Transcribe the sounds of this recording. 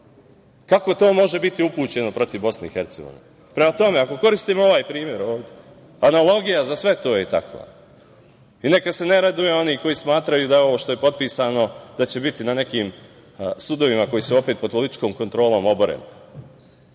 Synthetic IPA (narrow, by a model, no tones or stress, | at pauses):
kako̞t̪o̞ːmo̞ʒe̞bit̪iupuːt͡ɕe̞no̞pɾo̞t̪iʋbo̞sneixe̞ɾt̪seɡo̰ʋḭne | pɾemat̪o̞me̞ako̞ko̞ɾist̪iːmoo̞ʋaːjpɾiːmje̞ɾoːʋd̪ʲe | analˠo̞ɡijazasʋe̞t̪o̞ːjet̪a̰kʋa̰ː | ine̞kase̞ne̞ɾad̪uje̞o̞niko̞jiːsmaːt̪ɾajud̪ajeo̞ʋoːʃt̪o̞je̞po̞t̪̚piːsaːno̞d̪at͡ɕe̞bit̪inane̞kiːm | sud̪o̞ʋimako̞jiːsuo̞pe̞ːt̪̚popo̞lit̪i̥t͡ʃko̞ːmko̞nt̪ɾo̞ːlˠo̞ːmo̞boɾḛni